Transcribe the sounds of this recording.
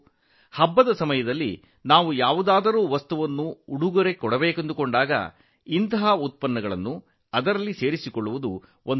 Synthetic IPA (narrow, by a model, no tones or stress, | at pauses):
hɐbːɐd̪ɐsɐmɐjɐd̪ɐlːḭ | naːʋujaːʋud̪aːd̪ɐɾuːʋɐst̪uʋɐnːuːɽuɡɐɾe̞kɔɽɐbɛːkend̪ukoɳɖaːɡɐ̰ | int̪ɐɦɐut̪̚pɐnːɐɡɐɭɐnːu | ɐd̪ɐɾɐlːise̞ːɾisikoɭːuʋud̪u | ʔon